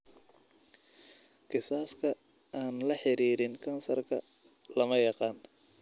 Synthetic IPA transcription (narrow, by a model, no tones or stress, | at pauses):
qɪsaːskʰɐ | aːnlɐħɪɾiːɾɪŋkʰɐnsɐrkʰɐ̰ | lɐmɐjɑqɑːn